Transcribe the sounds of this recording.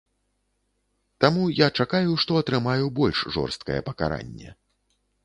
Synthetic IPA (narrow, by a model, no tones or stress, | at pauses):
t̪amujat͡ʂakajuʂt̪ɔɐt̪ɾɨmajubɔlʲʂʐɔ̰rst̪kɐjɛpɐka̰ɾa̰nʲːɛ̰